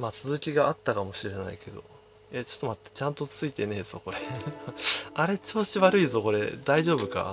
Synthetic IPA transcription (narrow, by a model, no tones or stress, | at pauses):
maːt͡sɨzɨkʲiɡaʔat̪ːakamo̞ɕiɾe̞naike̞d̪o̞̰ | et͡ɕo̥t̪ːomat̪ːet͡ɕãnt̪o̞t͡sɨit̪e̞ne̞ːz̥o̞ko̞ɾe | aɾe̞t͡ɕo̞ːɕiβaɾɯ̟izo̞ko̞ɾe̞̰d̪aiʑo̞ːbɯ̟ka̰